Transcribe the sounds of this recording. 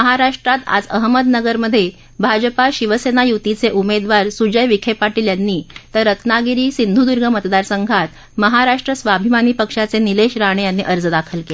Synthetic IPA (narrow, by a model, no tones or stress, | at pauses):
məɦaɾaʂʈɾat̪a̰d͡zəɦməd̪nəɡəɾməd̪ʱːje | bʱad͡ʑpaɕiʋəsenajut̪it͡seʔumed̪ʋaɾsud͡ʑəjʋikʰepaʈiːljanːiːt̪əɾːət̪naɡiɾiːsind̪ʱud̪uɾɡʱəmət̪d̪aɾsəŋɡʱat̪ | məɦaɾaʂʈɾəsʋabʱimaniːpəkʂat͡senileɕɾaɽ̃ejanːiʔəɾd͡zd̪akʰəlkele